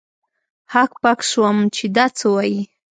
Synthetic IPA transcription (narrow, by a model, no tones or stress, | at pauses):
hakpakʃwamt͡ʃed̪at͡səwaji